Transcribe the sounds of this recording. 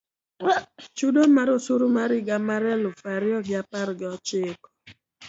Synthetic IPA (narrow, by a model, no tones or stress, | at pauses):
t͡ʃudomaɾosuɾomaɾɪɡamaɾɛlʊfaɾɪɔɡɪapaɾɡɪɔt͡ʃɪːkɔ̥